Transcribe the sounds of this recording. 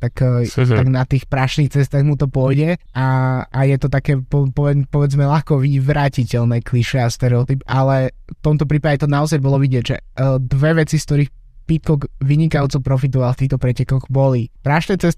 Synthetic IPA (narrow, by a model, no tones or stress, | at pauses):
t̪akt̪aɡnat̪iːxpɾaʃnixt͡sɛst̪aɣmut̪ɔpʊɔjɟɛaajɛt̪ɔt̪akɛːpɔpɔʋɛpɔʋɛd͡zmɛlaxkɔʋiʋɾaːcicɛlnɛːkliʃɛast̪ɛɾɛɔt̪ipalɛft̪ɔmt̪ɔpɾiːpaɟɛt̪ɔnaɔzajbɔlɔʋiɟɪɛɟʒɛ̰d̪ʋɛʋɛt͡siskt̪ɔɾiːx | pit̪̚kɔɡʋiɲikajut͡sɔpɾɔfit̪ɔʋalˠft̪iːxt̪ɔpɾɛcɛkɔɣbɔlipɾaʃnɛːt͡sɛst̪